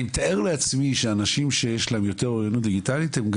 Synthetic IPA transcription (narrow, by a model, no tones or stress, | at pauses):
imt̪aeʁleat͡smiʃeanaʃimʃejeʃlaemjo̞t̪e̞ʁoʁjonut̪̚d̪iɡitalit̪hemɡ